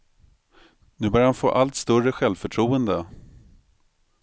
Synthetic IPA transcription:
nʉ̟ːbœɾjahanfo̰ːʔalt̪st̪ɵɾəɧɛlvfœʈʰɾuːənd̪ə

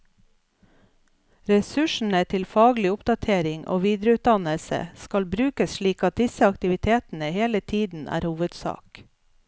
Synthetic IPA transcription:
ɾɛsʉʃn̩ət̪ʰɪlfɑːɡlɪʊpd̪ɑt̪ʰeːɾɪŋʔo̰ːʋiːd̪ɾəʉːt̪̚d̪ɑnəlsə̰skɑlbɾʉːkəsʃɭiːkɑt̪̚d̪ɪsəɑkt̪ɪʋɪt̪ʰeːt̪n̩əheːlət̪ʰiːd̪n̩ʔæ̰ːɾhuːʋəd̪sɑ̰ːk

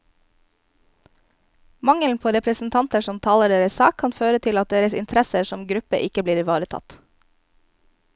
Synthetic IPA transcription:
mɑŋəlnpʰoːɾɛpɾəsn̩t̪ʰɑnt̪əʃɔmt̪ʰɑːləɖeːɾəssɑːkʰːɑnføːɾət̪ʰɪlɑt̪̚d̪eːɾəsɪ̰nt̪ʰɾɛsəsɔmɡɾʉpəʔɪkəbliːɾʋɑːɾət̪ʰɑ̰t̪

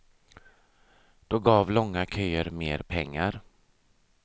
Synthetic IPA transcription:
d̪̥oːɡɑːvlɔŋːakʰœːəɾmeːɾpʰɛŋːaɾ

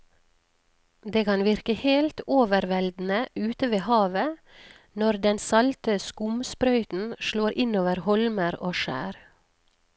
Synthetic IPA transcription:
d̪eːkɑnʋɪɾkəheːlt̪oːʋəɾʋɛld̪n̩əʔʉːt̪əʋeːhɑːʋə | nɔɾd̪ɛnsɑlt̪əskʊmspɾœʏt̪n̩ʃɭoːɾʔɪnoːʋəɾhɔlməɾoːʃæ̰ːɾ

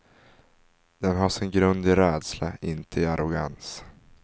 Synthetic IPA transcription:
d̪̥ɛnɦaʂɪnɡɾɵnd̪ɪɾɛːd̪slaɪnt̪ʰəɪaɾʊɡans

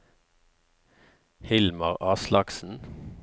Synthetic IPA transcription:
hɪlmɑʁɑːslɑksn̩

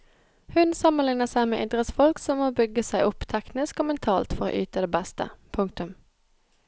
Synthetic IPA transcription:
hʉnsɑmənlɪŋnəsæɪmḛːʔɪd̪ʁət̪sfɔlksɔmːoːbʏɡːəsæɪʔʊpːt̪ʰɛknɪskoːmɛnt̪ʰɑːlt̪fɔʁo̰ːʔyːt̪əd̪eːbæst̪ə̰pʰʊŋk̚t̪ʉm

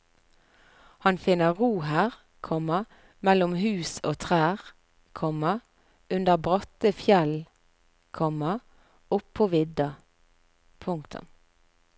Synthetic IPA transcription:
hɑnfɪnəʁuːhæːʁ | kʰɔmɑ | mɛlʊmhʉːso̰ːt̪ʰʁæːʁ | kʰɔmɑ | ʔʉnd̪əʁbʁɑt̪əfjɛl | kʰɔmɑ | ʊpʰːoːʋɪd̪ɑ | pʰʊŋkt̪ʰʊ̰m

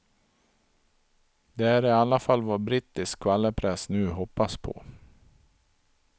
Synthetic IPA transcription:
d̪ɛæɾɪalːafalːvabɾiːt̪ɪskʰːvalːəpʰɾɛsnʉ̟ːɦɔpːaspʰɔ̰

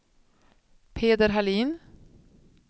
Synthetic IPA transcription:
pʰeːd̪əɾɦaliːn

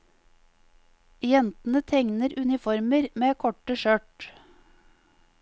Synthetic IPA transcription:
jɛnt̪n̩ət̪ʰɛŋnəɾʉnɪfɔɾməɾmeːkʰɔʈəʃøːʈ

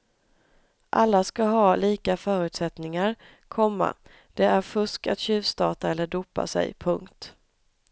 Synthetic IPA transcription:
ʔalːaskaɦɑːliːkafœːɾʉ̟t̪sɛt̪nɪŋaɾ | kʰɔmːa̰ | d̪̥ɛæɾfɵʂka̰t̪ɕʉ̟ːvst̪ɑːt̪aɛlːəɖuːpa̰sɛ̰jpʰɵŋkt̪

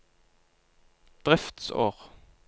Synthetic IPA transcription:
d̪̥ʁɛft̪so̰ːʁ

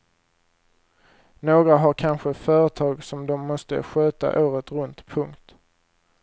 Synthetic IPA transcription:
noːɡɾaɦaɾkʰanɧəfœːɾət̪ʰɑːɡsɔmd̪ɔmːɔst̪ə̰ɧøːt̪a̰ʔoːɾət̪ɾɵnt̪pʰɵŋkt̪

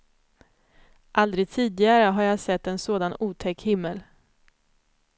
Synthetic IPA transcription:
ʔald̪ɾɪɡt̪ʰiːd̪ɪɡaɾəɦaɾjasɛt̪ːɛnsoːd̪anuːt̪ʰɛkːhɪmːəl

